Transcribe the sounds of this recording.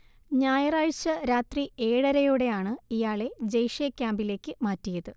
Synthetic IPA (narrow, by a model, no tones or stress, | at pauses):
ɲaːjɐraːɻt͡ɕɐɾaːt̪rie̞ːɽɐɾɐjuɽe̞jaːɳɨijaːɭe̞d͡ʑejʂijɐkʲːaːmbile̞ːkʲːɨmaːtːijɐðɨ